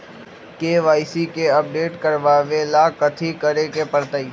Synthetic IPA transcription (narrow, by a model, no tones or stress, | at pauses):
keːʋaːɪsikeəp̚ɖeːʈkəɾʋaːʋelakət̪ʰikəɾekepəɾt̪aiː